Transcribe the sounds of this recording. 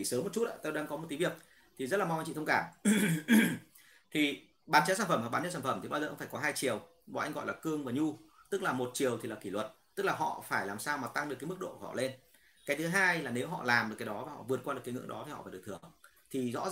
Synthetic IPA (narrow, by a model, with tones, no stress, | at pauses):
i˨˩səː˨˦mːo˨˩t̚t͡ɕu˦˥t̚ʔa̰ː˧t̪o˧wɗaː˧ŋkɔ˨˦mo˨˩t̪i˨˦vi˨˩ək̚ | t̪ʰi˨˩zə˦˥t̚laː˨˩a˧wŋt͡ɕḭ˧˨t̪ʰə˧ŋ͡mkaː˧˩m | t̪ʰi˨˩ | ɓaː˨˦nt͡ɕa˨˦saː˧˩nfə˧˩m˨a˨˩ɓaː˨˦t͡ɕaː˨˧˦sa˧˩fə˧˩mt̪ʰi˨˩ɓaː˧zəː˨˩ʔə˧wŋ͡mfaː˧˩kɔ˨˦ɦaː˧jt͡ɕi˨˩əw | maː˨˩ʔa˧ŋ̟ɣɔ̰˧˨jlaː˨˩kɨ˧əŋvaː˨˩ɲu˧ | t̪ɨ˦˥k̚laː˨˩mo˨˩t̚t͡ɕi˨˩əwt̪ʰi˨˩laː˨˩ki˧˩lwə˨˩t̚t̪ɨ˦˥k̚laː˨˩ɦɔ̰˧˨faː˧˩jlaː˨˩msaː˧wmaː˨˩t̪a˧ŋɗɨ˨˩kːmɨ˦˥k̚ɗo̰˧˨kːhɔ̰˧˨le˧n | kaː˨˦jt̪ʰɨ˨˦ɦaː˧jlaː˨˩ne˨˦wɦɔ̰˧˨laː˨˩mɗɨ˨˩kaː˨˦jɗɔ˨˦vaː˨˩hɔ̰˧˨vɨ˨˩ət̚kwa˧ɨ˨˩kːŋɨ̰˧˥ŋɗɔ˨˦t̪ʰi˨˩hɔ̰˧faː˩˨˩k̚t̪ʰɨ˧˩əŋ | t̪ʰi˨˩zɔ̰˧˥